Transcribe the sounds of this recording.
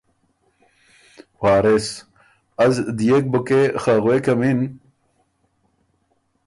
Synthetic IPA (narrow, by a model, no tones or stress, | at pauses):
waːɾes | ɐzd̪ijek̚bukexaɣwekɐmin